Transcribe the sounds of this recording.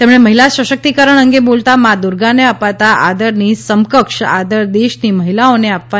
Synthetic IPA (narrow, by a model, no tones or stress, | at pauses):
t̪emɳ̃eməɦilaʃʋəʃək̚t̪ikəɾəɳ̃əŋɡebolt̪amad̪uɾɡaneapat̪aʔad̪əɾnisəmkəkʂa̰d̪əɾd̪eʃniːməɦilaoneapʋa